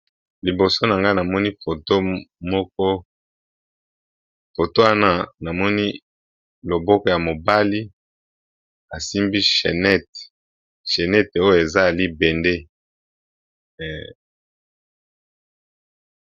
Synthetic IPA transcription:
li˨bo˨so˦na˨ŋɡa˦na˨mɔ˦ni˦fo˨to˦mɔ˦k̚ɔ˦ | fo˨to˦wa˦na˦na˨mɔ˦ni˦ | lo˨bɔ˦kɔ˨ja˨mo˨ba˦li˦ | a˨si˦mbi˦ʃḛ˨nɛ˦t | ʃe˨nɛ˦to˦jo˦˨e˨za˦˨li˦be˨nde˦˨

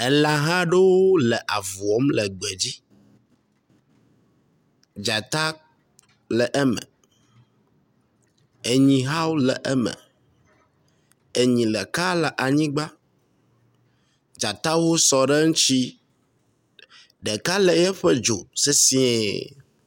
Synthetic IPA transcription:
ɛ˨lã˨ɦã˦ɖe˦wo˦lɛ˨ʔa˨vu˨ɔ˦mlɛ˨ɡ͡bɛ˨d͡ʑi˦ | d͡ʒa˨t̪a˦ | lɛ˨ʔɛ˦mɛ̰˨ | e˨ɲĩ˨ɦa˦wlɛ˨ʔɛ˦mə̰̃˨ | e˨ɲĩ˨lɛ˨ka˦lɛ˨ʔa˨ɲĩ˦ɡ͡ba˦ | d͡ʒa˨t̪a˦wo˦sɔ˨ɖɛ˦ŋũ˦t͡ʃi˦ | ɖɛ˨ka˦lɛ˨jɛ˦ɸɛ˦d͡ʒo˨se˦si˦ɛ̰˨

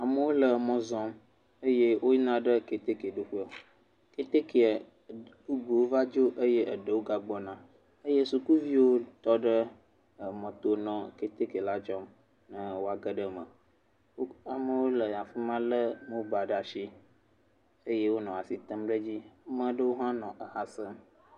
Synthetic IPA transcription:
a˨mə˦wo˦lə˨mɔ̃˨zɔ̃˦m | ə˦je˦wo˦nã˦ɖə˦ke˨t̪e˦ke˨ɖo˦ɸu˦a˨ | ke˦t̪e˦ke˨ | bu˦ɡ͡bu˨wo˦va˦d͡ʒo˦ʔə˦je˦ʔə˨ɖə˨wo˦ɡa˨ɡ͡bɔ˦nã˨ | ə˦je˦su˨ku˦vi˦wo˦t̪ɔ˦ɖə˦˨ | mɔ̃˨t̪o˨nɔ̃˨ke˨t̪e˦ke˨la˦d͡ʒɔ˦m | nə̃˦wo˦a˨ɡə˦ɖə˦mə̰̃˨˦ | a˨mə˨wo˦lə˨a˨fi˦mã˦lə˦mə̃˦ba˨ɖa˨ʃi˦ | ə˦je˦wo˦nɔ̃˨a˨si˨t̪ə˦mɖə˦d͡ʑi˦mə̃˦ɖə˦wo˦ɦã˦nɔ̃˨ʔə˨ɦa˨sə˦

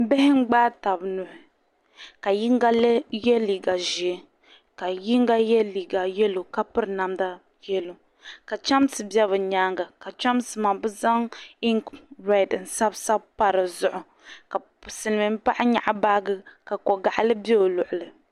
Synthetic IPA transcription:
bɪ˦hɪ˦ŋ͡m̩˦ɡ͡baː˦ta˨bnʊ˨hʊ˨ | ka˨ji˦ŋɡa˦lɨ˦jɛ˦li˨ɡa˨ʒi˨ɛ˦ | ka˨ji˦ŋɡa˦jɛ˦li˨ɡa˨jɛ˦lo˨ka˦pɨ˦ɾɨ˨na˨mda˦ | jɛ˦lo˨ | ka˨t͡ʃa˦msɨ˨bɛ˦βɨ˨ɲaː˦ŋɡa˨ka˨t͡ʃa˦msɨ˨ma˨bɨ˦za˦ŋi˦ŋkɾa˦˨dɨ˨n̩˨sa˦bsa˦bpa˦ɾɨ˨zʊ˨ʔʊ˨ | ka˨ | sɨ˨nɨ˨mɨ˨m̩˦pa˦ʔɪ˦ɲa̰˨ʔba˦ɡɨ˦ka˨kɔ˨ɡa˨ʔa˦lɨ˦bi˦o˨lʊ˨ʔʊ˨lɨ˨

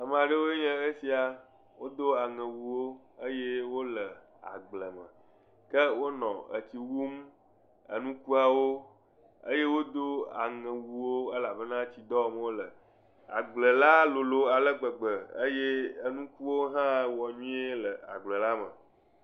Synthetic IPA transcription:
a˨mə̃˨a˨ɖə˦wo˦e˦ɲɛ̃˦e˦si˨a˨ | wo˦d̪o˦a˨ŋɛ̃˨wu˨wo˦ | ə˦je˦wo˦lə˨ | a̰˨ɡ͡blə˨mə̰̃˨ | kə˦wo˦nɔ̃˨ə̰˨t͡ɕi˨wu˦m | ə̰˨nũ˦ku˦a˨wo˦ | ə˦je˦wo˦d̪o˦a̰˨ŋɛ̃˨wu˨wo˦ə˦la˨bə˦nã˦t͡ɕi˨d̪ɔ˦˨m˦wo˦lə˨ | a̰˨ɡ͡blə˨la˦lo˨lo˨˦a˨lə˦ɡ͡bə˨ɡ͡bə˨ə˦je˦ə˦nũ˦ku˦wo˦ɦã˦˨wɔ˨ɲũ˦e˦lə˨a̰˨ɡ͡blə˨la˦mə̰˨

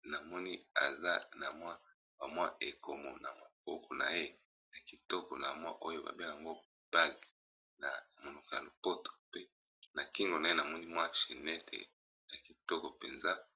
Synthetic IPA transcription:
na˨mɔ˦ni˦a̰˨za˦na˨mwa˦ | ba˨mwa˦ʔe˨ko˨mo̰˨na˨ma˨bɔ˦kʰɔ˨na̰˨je˦ | na˨ki˨tɔ˦kɔ˨na˨mwa˦ʔo˦jo˦ba̰˨be˦˨a˨ŋɡo˦ | b̥a˦ɡ | na˨mo˨nu˨ka̰˨lo˨po˦tʰo̥˨pe˦ | na˨ki˦ŋɡo˨na˨e˦na˨mɔ˦ni˦mwa˦ʃe˨nɛ˦tʰḛ˨ | ja˨ki˨tɔ˦kɔ˨pe˨nza˦

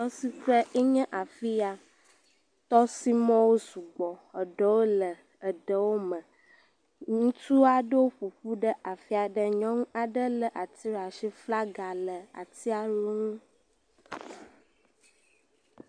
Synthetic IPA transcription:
ɔ˦si˦ɸɾə˦ʔe˦ɲɛ̃˦ʔa˨fi˦a˨ | t̪ɔ˦si˦mɔ̃˦wo˦su˨ɡ͡bɔ˨ə˨ɖə˦wo˦lə˨ | ə˨ɖə˨wo˦mə̃˨ | ŋũ˦t̪u˦a˦ɖə˦wo˦ɸu˨ɸu˦ɖə˦ʔa˨fi˦a˨ɖə˨ɲɔ̃˦ŋũ˦a˨ɖə˦lə˨ʔa˨t̪i˦ɾa˨ʃi˦fla˦ɡa˨lə˨a̰˨t̪i˦a˨lu˦ŋũ˦

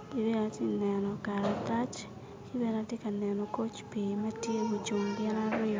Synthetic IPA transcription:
ki˨be˦a˨tɪ˦nɛ˨nɔ˨ka˨ɾa˨t̪a˦t͡ʃ | ki˦be˦ɾa˦te˦ka˨nɛ˨nɔ˨ko˦t͡ʃpi˨ma˦tje˦o˨t͡ʃu˨ŋɡɛ˦ɾa˦ɾɪ˦

